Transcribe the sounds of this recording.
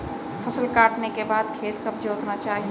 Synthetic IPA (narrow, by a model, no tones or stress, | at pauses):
pʰəsəlkaːʈnekebaːd̪kʰeːt̪kəb̚d͡ʒoːt̪nat͡ʃaːɦi